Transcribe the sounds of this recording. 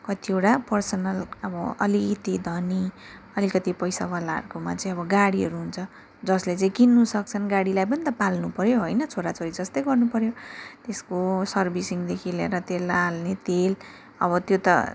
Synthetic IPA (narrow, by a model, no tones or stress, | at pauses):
kʌt̪ieʈapʌrsʌnʌlʌbʌʌ̰lit̪id̪ʱʌni | ʌlikʌt̪ipʌjsawalaɦʌ̰rkoma̰t͡saĩʌbʌɡaɽiɦʌɾuɦunt͡sʰʌ | d͡zʌslet͡saĩkinːusʌk̚t͡sʰʌnɡaɽilajp̬ʌnit̪ʌpalnupʌɾjoɦojnʌt͡sʰoɾat͡soɾid͡zʌst̪ʌjɡʌrnupʌɾjot̪eskosʌrbʱisiŋd̪ekʰilḛɾʌt̪elalnet̪el | ʌ̰βʌt̪jot̪ʌ̰